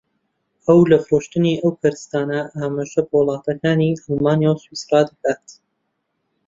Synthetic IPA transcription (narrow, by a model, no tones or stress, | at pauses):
ɐwlɐfɨɾoːʃt̪ɨniʔɐwpʰɨɾɨst̪aːnɐʔaːmaːʒɐbəwlˠɑːt̪ɐkaːniʔɑlˠmaːnjawswiːsrɑːd̪ɐkaːt̪